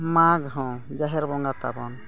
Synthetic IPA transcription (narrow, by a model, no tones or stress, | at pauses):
maɡɦɔ̃d͡ʒaɦɛɾbɔŋɡat̪a̰bɔn